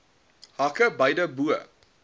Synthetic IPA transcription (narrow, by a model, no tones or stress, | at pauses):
hakəbɐjdəbuə